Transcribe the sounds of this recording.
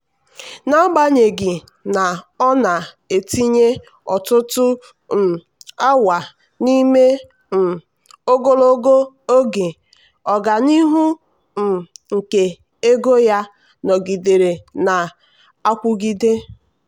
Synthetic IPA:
na˦ɡ͡ba˦ɲe˨ɡɪ˨ | na˨ɔ˦na˨ | e˨ti˦ɲe˦ | ɔ˨tʊ˦tʊ˦˨ | a˦wa˨ | ni˦me˦ | m̩˨ | o˦ɡo˦lo˦ɡo˦ | o˦ɡe˨ | ɔ˨ɡa˨ni˦ɦu˦ | m̩˨ŋ̩˨ke˨ | e˦ɡo˦ja˦ | nɔ˨ɡi˨de˨ɾe˨na˨ | a˦kʷʊ˦ɡi˦de˦

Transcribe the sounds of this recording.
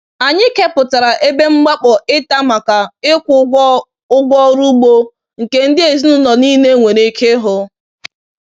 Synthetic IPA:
a˨ɲɪ˦ke˦pʊ˨ta˨ɾa˨ʔe˦be˦ŋ͡m̩˦ɡ͡ba˦k͡pɔ˨ʔɪ˦ta˦ma˨ka˨ɪ˦kʷ | ʊ˦ɡʷɔ˦ɾu˦ɡ͡bo˦ | ŋ̩˨ke˨n̩˦dɪ˦e˨zi˦nʊ˦nɔ˨ni˦ne˦ŋʷe˨ɾe˦kʰe˦ɦʊ˦

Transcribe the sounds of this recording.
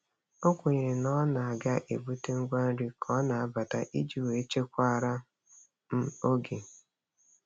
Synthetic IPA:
o˦kʷʊ˨ɲe˨nɔ˦na˨a˨ɡa˦ʔe˨bu˦te˦ŋ̩˦ɡʷa˦n̩˦ɾi˦kʰɔ˦na˨a˦ba˨ta̰˦ʔi˦d͡ʒi˨we˨˦t͡ʃe˦kʷa˦˨ɾa˦ | m̩˦o˦ɡe˨

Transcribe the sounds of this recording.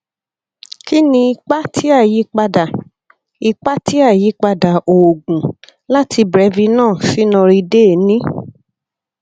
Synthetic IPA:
ki˦nĩ˧i˧k͡pa˦tʰi˦a˦˨ji˨˦k͡pa˧da˨ | i˧k͡pa˦ti˦a˦˨ji˨˦k͡pa˧da˨o˨ɡũ˨ | la˦ti˧bɾɛ˨˧˦vi˧nãː˦˨si˨˦nɔ̃˧ɾi˧de˦˨nĩ˦

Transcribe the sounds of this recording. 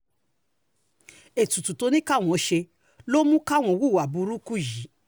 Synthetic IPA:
e˨tu˨tu˨to˧nĩ˦ka˦˨w̃ɔ̃˨˧˦ʃe˧ | lo˦mũ˦ka˦˨w̃ɔ̃˨wu˦˨wa˨bu˧ɾu˦ku˦˨ʒi˨˦

